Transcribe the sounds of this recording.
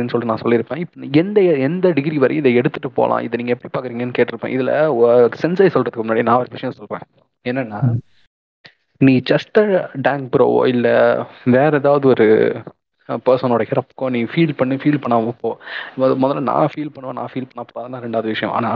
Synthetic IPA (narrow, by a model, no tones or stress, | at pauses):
inːɯsɔlːinãːsɔlːɪɾɯpːẽːɪpːɐɛnd̪ɐɛnd̪ɐɖɪɡɾiʋɐɾɐ̰jɪnd̪ɐɛɽɯt̪ːɯʈːɯpo̰ːlʔã̰ːʔɪ̰ðɐniːŋɐɛpːɐɽipaːɾkɯɾiːŋɡɐnːɯkeːʈːɪɾɯpːḛ̃ːɪðɪlɐ̰sɛnsɐɪsɔlrɾɐðɯkːʊmʊnːaːɽinãːɔɾɯʋɪʂɐjɐ̃sɔlɾḛ̃ː | ɛnːɐnːaː | nĩːt͡ʃɐsʈɐɖaːŋk̚pɪɾo̰ːʋo̰ːɪlːɐʋeːɾɐɛðaːʋɐðɯɔɾɯ̰ | pɛɾsɐnoːɽɐhɪɾɐpːkːõːniːfiːlpɐɳːɯfiːlpɐɳːɐmɐ̃poːðmoːðɐɾlɐnã̰ːfiːlpɐɳːɯʋõːnã̰ːfiːlpɐɳːɐpoːɾaːðɐnãːɾɛɳɖaːʋðɯʋɪʂɐjɔ̃ʔa̰ːnaː